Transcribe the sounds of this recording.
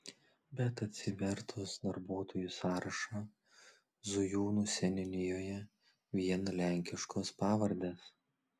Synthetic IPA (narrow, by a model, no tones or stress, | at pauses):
bʲɛt̪ɐt̪ʲsʲɪʋʲɛɾt̪ʰʊsd̪ɐɾboːt̪ʰoːjusɑːɾɐʃɑ | zʊjuːnuːsʲɛnʲɪnʲɪjoːjɛ | ʋʲiɛnlʲæˑŋʲkʲɪʃkoːspɑːʋɐɾʲd̪ʲeːs